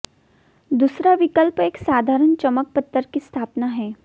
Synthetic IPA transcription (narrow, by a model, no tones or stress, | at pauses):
d̪uːsɾaʋɪkəlpeːksaːd̪ʱaːɾənt͡ʃɐmək̚pət̪ːəɾkist̪ʰaːpnaɦɛː